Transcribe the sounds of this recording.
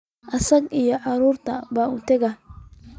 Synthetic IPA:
ʔɐsɐɡijɔʕɑɾuːrt̪ʰɐbaːuːt̪ʰɐɡɐ

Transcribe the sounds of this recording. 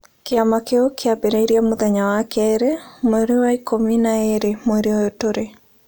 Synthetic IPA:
keamakeokeabeɾaiɾjamoðɛɲawakɛɾemoeɾewaikominaeɾemweɾeaotoɾe

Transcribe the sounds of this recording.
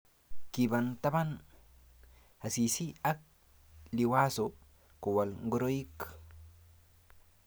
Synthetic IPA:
kibant̪aban | hasisiak̚ | liwaso | kuwalŋɡuɾoik

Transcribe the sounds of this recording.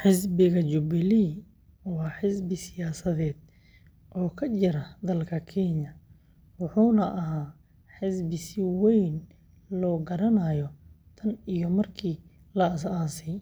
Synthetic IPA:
ħɪsbɪɣɐt͡ʃʊbɪliː | wɑːħɪsbɪsɪjaːsɐðɛːd̪̥̚ | ʔɔːkʰɐt͡ʃɪɾɐd̪ɐlkʰɐkʰɛɲɐ | wʊħuːnɐʔɐɦaː | ħɪsbɪsɪwɛjn | lɔːɡɐɾɐnajɔ | t̪ʰɐnijɔmɐrkʰiː | lɐːs̬aːsɛj

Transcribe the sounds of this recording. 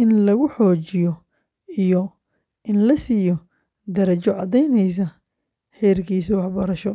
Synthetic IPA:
ʔɪnlɐɣʊħɔːt͡ʃɪjɔ | ijɔ | ʔɪnlɐsiːjɔ | d̪ɐɾɐt͡ʃɔʕɑd̪ɛjnɛjs̬ɐ | ħɛːrkʰiːsiwɑħbɐɾɐʃɔ

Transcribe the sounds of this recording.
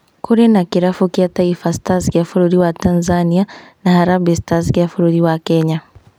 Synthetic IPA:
kuɾinakiɾafukiataifastazkiafuɾuɾiwatanzanianahaɾabistazkiafuɾuɾiwakɛɲa

